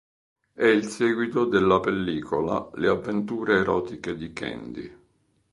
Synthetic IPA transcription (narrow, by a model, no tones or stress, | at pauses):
ɛilsɛːɡwit̪od̪elːapelːiːkʰola̰leavːent̪uːɾeːɾɔːt̪iked̪ikɛ̰nd̪ḭ